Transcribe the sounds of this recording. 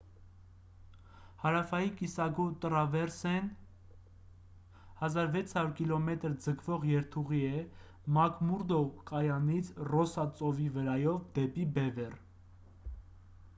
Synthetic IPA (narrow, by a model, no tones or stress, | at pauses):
hɑɾɑfɑjikisɑɡɔt̪əɾɑvɛɾsɛn | hɑzɑɾvɛt͡sʰhɑɾuɾkilɔmɛt̪əɾd͡zəkʰvɔʁjɛɾt̪ʰuʁiɛ | mɑkmuɾd̪ɔkʼɑjɑnit͡sʰrɔsɑt͡sʼɔvivəɾɑjɔvd̪ɛpibɛvɛr